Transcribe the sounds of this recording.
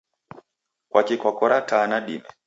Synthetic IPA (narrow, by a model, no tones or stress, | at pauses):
kwakikakɔɾatanaɗḭmɛ